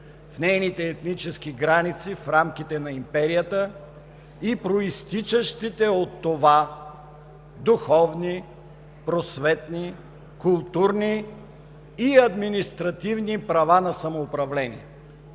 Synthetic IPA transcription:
fnɛjnit̪ɛːt̪nit͡ʃɛskiɡɾanit̪sifɾamkʲit̪ɛnɐimpɛɾijət̪ə | ipɾoist̪it͡ʃəʃt̪it̪ɛot̪ːova | d̪uxɔvni | pɾosvɛt̪ni | kʊlˠt̪uɾniː | ɐd̪minist̪ɾɐt̪ivnipɾɐvanɐsɐmoːpɾɐvlɛnḭɛ

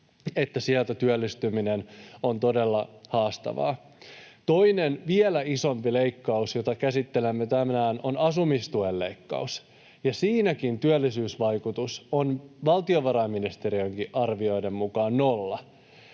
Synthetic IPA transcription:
e̞t̪ːæsiɛlt̪æt̪yølːist̪ymineno̞nt̪o̞de̞lːɑhɑːst̪ɑ̰ʋɑ̰ː | t̪o̞ine̞nʋielæiso̞mpile̞jkːɑusjo̞t̪ɑkæsit̪ːe̞lemːet̪æmæːno̞nɑsumist̪uelːe̞ikːɑ̰us | jɑsiːnækint̪yølːisyːsʋɑjkut̪usonʋɑlt̪io̞ʋɑɾɑimːinist̪e̞ɾiøŋkiʔɑrʋio̞jde̞mːukɑːnːolːɑ

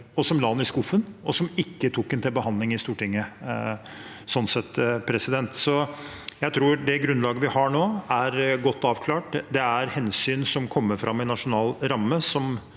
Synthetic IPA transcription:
ɔsɔmlɑnːɪskʊfənɔsɔmɪkːət̪ʰʊkːɛnt̪ʰɪlbəhɑnd̪lɪŋɪst̪uːʈɪŋːə | sɔnsɛt̪ːpʰɾɛsɪd̪ɛnt̪sɔ | jæɪt̪ʰɾuːɾɖɛɡɾʉnlɑːɡəʋɪhɑɳoːæɾɡɔt̪ːɑːʋkʰlɑːʈd̪ɛæɾhɛnsyːnsɔmkʰɔmːəɾfɾʔɑ̰mːɪnɑʂʊnɑːlɾɑmːəsɔm

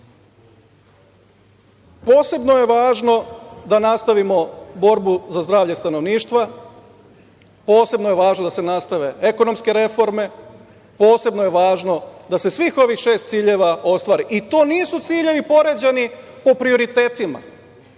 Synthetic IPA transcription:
po̞ːse̞bno̞je̞ʋaːʒno̞d̪anast̪aʋimo̞bo̞ɾbuzazd̪ɾaːʋʎest̪ano̞ʋniːʃt̪ʋa | po̞ːse̞bnoje̞ʋaːʒnod̪asenast̪aʋe̞eko̞no̞mske̞ɾe̞fo̞ɾme̞ | po̞ːse̞bnojeʋaːʒno̞d̪ase̞sʋiːxo̞ʋixʃe̞ːst̪siːʎeʋao̞st̪ʋaːɾiʔit̪o̞ːniːsut̪siːʎe̞ʋipo̞ɾe̞d͡ʑe̞ni | po̞pɾio̞ɾit̪e̞ːt̪ima̰

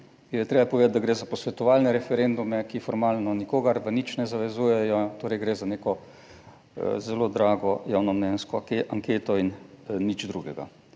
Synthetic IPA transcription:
jɛt̪ɾeːbapɔʋed̪at̪̚d̪aɡɾeːzapɔsʋɛt̪ɔʋaːlnɛɾɛfɛɾend̪umɛkifɔɾmaːlnɔnikoːɡaɾʋənit͡ʃnɛzaʋɛzuːjɛjɔt̪oːɾɛjɡɾeːzaneːkɔ | zɛloːd̪ɾaːɡɔjaːwnɔmnɛnskɔaŋkeːt̪ɔinːit͡ʃd̪ɾuɡɛɡa̰

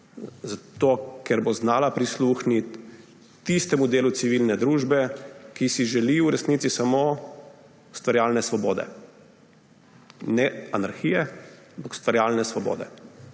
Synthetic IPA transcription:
zat̪oːkɛɾboznaːlapɾisluːxnit̪ː | ist̪ɛmud̪eːlut̪siʋilnɛd̪ɾuːʒbɛkisiʒɛliuɾɛsnit̪sisamoː | st̪ʋaɾjaːlnɛsʋɔboːd̪ɛ̰ | nɛanaɾxijɛampakst̪ʋaɾjaːlnɛsʋɔbo̰ːd̪ɛ̰

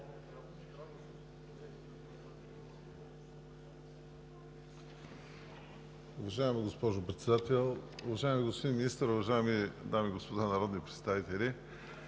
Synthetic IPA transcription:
ʊvɐʒaɛmiɡospɔʒopɾɛt̪sɛd̪at̪ɛlˠʊvɐʒaɛmiɡospod̪inminist̪ɾʊvɐʒaɛmid̪amiɡospod̪anɐɾɔd̪nipɾɛt̪st̪avit̪ɛlʲi

